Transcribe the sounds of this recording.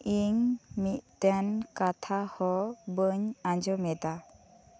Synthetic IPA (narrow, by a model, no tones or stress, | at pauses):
iŋmit̚t̪ɛnkat̪ʰahɔbəɲaɲd͡ʒɔmɛd̪a